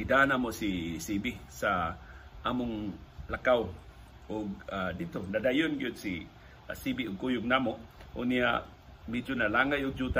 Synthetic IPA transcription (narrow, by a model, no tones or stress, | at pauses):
idanamosisibisaʔamʊŋlakaw | ʔʊɡ̚adit̪ʊnadajʊnɡiʊd̪si | a̰sibiʊɡ̚kujʊɡ̚namoʔʔʊ̰nija̰ | mid͡ʒʊnalaŋajʊɡ̚d͡ʒut̪a